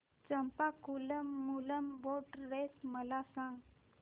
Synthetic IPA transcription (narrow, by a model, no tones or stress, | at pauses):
t͡ɕəmpakuləmːuləmboʈɾesməlasãŋɡ